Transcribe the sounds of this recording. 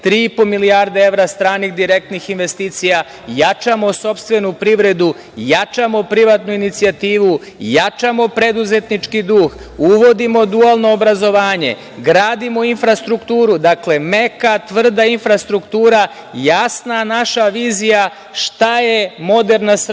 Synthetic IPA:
t̪ɾiːipo̞miliaɾd̪ee̞ʋɾast̪ɾaːniɣd̪iɾe̞k̚t̪nixinʋe̞st̪iːt̪sija | jat͡ʃamo̞so̞pst̪ʋe̞nupɾiʋɾe̞d̪u | jat͡ʃamo̞pɾiʋat̪nuinit̪siat̪iːʋu | jat͡ʃamo̞pɾe̞d̪uze̞t̪nit͡ʃkid̪uːxuʋo̞d̪imo̞d̪ualˠno̞ːbɾazo̞ʋaːɲe̞̰ | ɡɾaːd̪imo̞infɾast̪ɾukt̪uːɾud̪akle̞mekat̪ʋr̩d̪ainfɾast̪ɾukt̪uːɾa | jasnanaʃaʋiːzija | ʃt̪ajemo̞d̪e̞ɾnas

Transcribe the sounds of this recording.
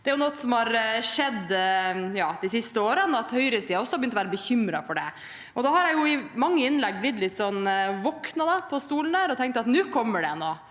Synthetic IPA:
d̪ɛæɾjʊnɔt̪ːsɔmhɑɾʂɛd̪ːjɑːd̪isɪst̪əoːɾənɑt̪hœʏɾəsiːɑɔsːɔhɑbjʏnɔʋæːɾəbəçʏmɾɑfɔɖɛ | ʔɔd̪ɑːhɑɾjæɪjʊɪmɑŋːəɪnlɛɡːblɪt̪ːlɪt̪ːsɔnːʋɔknɑd̪ɑpʰɔst̪uːln̩d̪æːɾɔt̪ʰɛŋkt̪ɑt̪nʉːkʰɔmːəɖɛnoː

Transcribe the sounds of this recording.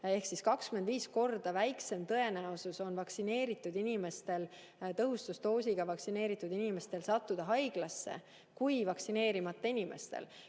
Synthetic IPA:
e̞hksiskɑkskymend̪viːsko̞rd̪̥ɑvæjkse̞mt̪ɤe̞næosuso̞nvɑksine̞ːɾit̪ˑːud̪inime̞st̪e̞l | t̪ɤɦust̪ust̪o̞ːsiɡ̥ɑvɑksine̞ːɾit̪ːˑud̪inime̞st̪e̞lsɑt̪ːud̪̥ɑɦɑjɡ̥lɑsːe̞̰ | kujvɑksine̞ːɾimɑt̪ːˑɑinime̞̰st̪e̞̰l

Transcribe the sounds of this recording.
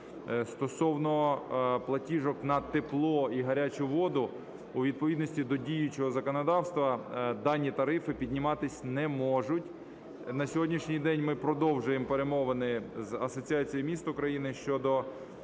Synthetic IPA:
st̪ɔsɔwnɔplˠɐtʲiʒɔknɐt̪eplˠɔiɦɐɾʲat͡ʃʊʋɔd̪ʊ | uʋʲid̪̚pɔʋʲid̪nɔsʲtʲid̪ɔdʲijʊt͡ʃɔɦɔzɐkɔnɔd̪ɑwst̪ʋɐd̪ɑnʲːit̪ɐɾɪfɪpʲidʲnʲɪmɑt̪ɪsʲnɛmɔʒʊtʲ | nɐsʲɔɦɔdʲnʲiʃnʲijd̪ɛnʲmɪpɾɔd̪ɔwʒʊjempeɾemɔʋɐnɪzɐsɔt͡sʲiɑt͡sʲijimʲist̪ʊkɾɐjinɪʃt͡ʃɔd̪ɔ

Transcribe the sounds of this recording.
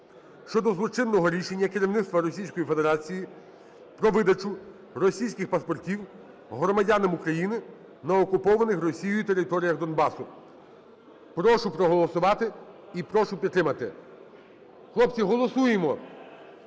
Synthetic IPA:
ʃt͡ʃɔd̪ɔzlˠɔt͡ʃɪnːɔɦɔɾʲiʃe̞nʲːɐkɪɾʲiwnɪt̪st̪ʋɐɾɔsʲijsʲkɔjife̞d̪eɾɑt͡sʲiji | pɾɔʋɪd̪ɐt͡ʃʊ | rɔsʲijsʲkʲɪxpɐspɔrtʲiw | ɦɾɔmɐdʲanɐmukɾɐjinɪ | nɐɔkʊpɔʋɐnɪxrɔsʲijʊit̪e̞ɾɪt̪ɔɾʲijɐɣd̪ɔnbɑsʊ | pɾɔʃʊpɾɔɦɔlˠɔsʊʋɑt̪ɪipɾɔʃʊpʲit̪ːɾɪmɐt̪ɪ | xlˠɔpt͡sʲiɦɔlˠɔsujemɔ

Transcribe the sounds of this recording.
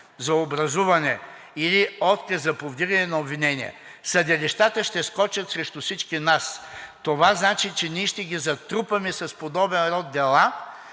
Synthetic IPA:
zɐobɾɐzuvɐnɛ | iliɔt̪kɐszɐpovd̪iɡɐnɛnɐobvinɛniɛ̰ | sɐd̪ɛliʃt̪at̪əʃt̪ɛskɔt͡ʃɐt̪sɾɛʃt̪usit͡ʃkinast̪ovaznat͡ʃit͡ʃɛniɛʃt̪ɛɡʲizɐt̪ɾupɐmɛsɐspod̪ɔbɛnɾɔd̪ːɛlˠa

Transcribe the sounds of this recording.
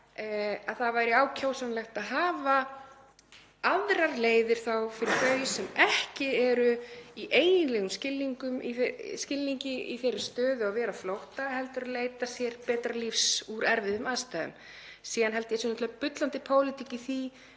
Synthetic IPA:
aðθavaːjɾɪaːwcʰowsanlɛxt̪aðɦaːva | aðɾaɾleːjðɪɾ̥θawfɪɾɪɾθœːɥjsɛmɛhcɪɛɾʏiʔeːjjɪnlɛɣʏmscɪlːiŋkʏmḭscɪlːiɲcɪḭθejɾʏst̪œːðʏavɛːɾaflowht̪aɦɛlt̪ʏɾaleːjt̪asjɛɾpɛːt̪ɾalifsuɾɛɾvɪðʏmaðst̪ajðʏ̰m | siːðanɦɛlt̪jɛsɛnɔt̪ʰlpʏt̪lant̪ɪpʰoːwlɪt̪ʰicɪθi

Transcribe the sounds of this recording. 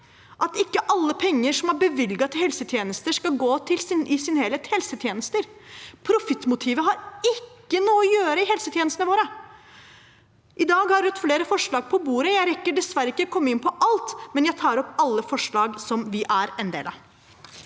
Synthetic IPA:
ʔɑt̪ɪkːəʔɑlːəpʰɛŋːəʂɔmæɾbəʋɪlɡɑt̪ɪhɛlsət̪ʰjeːnəst̪əʂkɑɡoːt̪ʰɪlsɪnɪsɪnəhɛːlət̪hɛlsət̪ʰjeːnəst̪əɾpʰɾʊfɪt̪ːmʊt̪ʰiːʋəɦɑɾɪkːənuːɔjøːɾəɪɦɛlsət̪jeːnəst̪nəʋoːɾə | ʔɪd̪ɑːɡhɑɾʋʉt̪fleːɾəfɔʂɭɑːɡ̚pʰɔbuːɾəjæɪɾɛkːəɖɛsʋæɾəɪkːəkʰɔmːəɪnpʰɔʔɑlt̪mɛnjæɪt̪ʰɑːɾɔpːɑlːəfɔʂɭɑːɡsɔmʋɪʔæɾɛnd̪ḛːlɑ̰

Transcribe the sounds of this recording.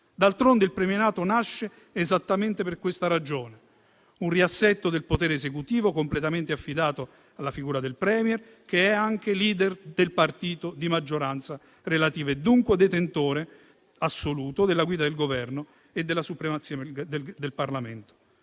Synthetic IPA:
d̪alt̪ɾond̪eilpɾɛmjenaːt̪onaʃːeː | zat̪ːament̪eperkwest̪aɾad͡ʒoːne | unriasːɛt̪ːod̪elpot̪ɛːɾeːzekut̪iːvokomplet̪ament̪eafːid̪aːt̪o | alːafiɡuːɾad̪elpɾɛːmjɛr | keɛaŋk̟eliːd̪ɛrd̪elpart̪iːt̪od̪imad͡ʒːoɾant̪sa | relat̪iːvaed̪ːuŋkwead̪ːet̪ent̪oːɾe | asːoluːt̪od̪elːaɡwiːd̪ad̪elɡovɛrno | ed̪ːelasupɾemat̪sj̪d̪elparlament̪o̥

